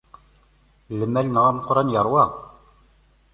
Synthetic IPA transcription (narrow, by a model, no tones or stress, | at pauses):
lɘ̆mælʲnɑʁɑmqŏɾɑnjɑɾwɑq